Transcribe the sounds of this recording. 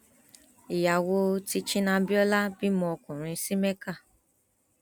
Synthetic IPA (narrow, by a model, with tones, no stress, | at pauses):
i˨ja˨wo˧ti˧t͡ʃĩ˦nã˧bi˦ɔ˦la˦bi˦mɔ̃˧ɔ˧kũ˨ɾ̃ĩ˧si˦me˦ka˦˨